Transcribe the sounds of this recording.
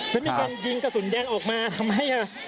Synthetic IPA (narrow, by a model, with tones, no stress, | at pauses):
ma˧nm˧˩ka˧nji˧ŋka˧˩su˨˩˦njɛː˧˩ŋʔɔː˨˩k̚maː˧t̪ʰa˧mɦa˥˩jaː˧˩